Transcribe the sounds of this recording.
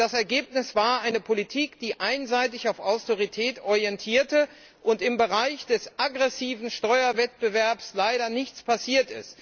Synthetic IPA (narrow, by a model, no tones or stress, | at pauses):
d̥asɛɐɡeːpnɪsv̥aːɐʔaɪnəpʰolitʰiːkd̥iːʔaɪnzaɪtɪçaʊfaʊstoʁitʰɛːtɔʁiɛntʰiːɐtə | ʔʊntɪmbəʁaɪçd̥ɛsʔaɡʁɛsiːvn̩ʃtɔʏɐvɛt̚b̥əvɛɐpslaɪɾɐnɪçt͡spʰasiːɐtɪ̰st